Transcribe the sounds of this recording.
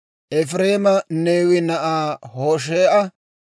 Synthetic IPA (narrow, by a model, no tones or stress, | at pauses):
ʔɛfɾeːmɐneːwɪnɐʔaːhoːʃ̬eːʔɐ